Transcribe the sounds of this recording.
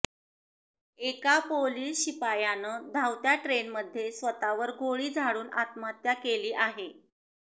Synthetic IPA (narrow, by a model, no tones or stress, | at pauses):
ekapoliːsɕipajanəd̪ʱawt̪jaʈɾenməd̪ʱːjesʋət̪aʋəɾɡʱoɭiːd͡zʱaɽuːna̰t̪mat̪jakeliːʔaɦe